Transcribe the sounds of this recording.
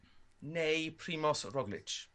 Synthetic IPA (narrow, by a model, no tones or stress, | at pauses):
nejpʰɾimɔsɹɔɡlɪ̰t͡ʃ